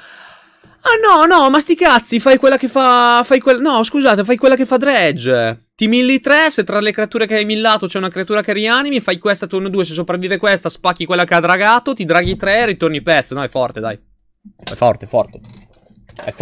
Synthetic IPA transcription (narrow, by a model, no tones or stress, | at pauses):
anɔnɔmast̪ikat̪sːifajkwelːakefafajkwelːanɔskuzaːt̪efajkwelːak̬efad̪ɾɛd͡ʒet̪imilːit̪ɾɛset̪ɾalekɾeat̪uːɾekeajmilːaːt̪ot͡ʃɛunakɾeat̪uːɾakɛriaːnimifajkwest̪at̪unod̪uːes̬es̬opɾavːiːvekwest̪aspakːikwelːakead̪ɾaɡaːt̪ot̪id̪ɾaɡit̪ɾɛrit̪ornipɛt̪sːonɔɛfɔrt̪ed̪a̰j | ɛfɔ̰rt̪efɔ̰rt̪e | ɛ̰f